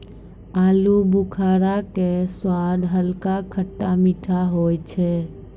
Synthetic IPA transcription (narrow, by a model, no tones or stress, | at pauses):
alubukʰaɾakeswad̪ɦəlkakʰəʈːamiʈʰaɦojt͡ʃʰɛ